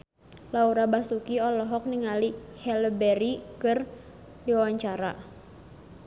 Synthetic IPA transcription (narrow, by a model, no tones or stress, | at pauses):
lauɾabasukiɔlɔɦɔk̚niŋalihɛləbɛɾikɨr | diwawaɲt͡ʃaɾa̰